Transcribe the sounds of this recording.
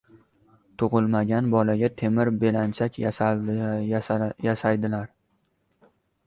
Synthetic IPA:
t̪ʰʊʁɨlˠmaɡʲanbɒlaɡʲat̪ʰe̞mɪɾbe̞lant͡ʃʰakʲ | jasajd̪ɪlaɾ

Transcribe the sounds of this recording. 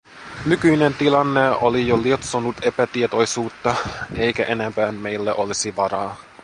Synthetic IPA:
nykyjnent̪ilɑnːeolijoliot̪sonut̪e̞pæt̪iet̪o̞jsuːt̪ːɑe̞jkæʔenempæːnme̞jlːæʔo̞lisiʋɑɾɑː

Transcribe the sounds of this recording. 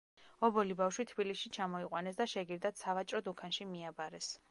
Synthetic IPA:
ɔbɔlibafʃwit̪ʰbiliʃit͡ʃʰamɔiqʼwanɛsd̪aʃɛɡiɾd̪at̪savat͡ʃʼɾɔd̪ukʰanʃimiabaɾɛs

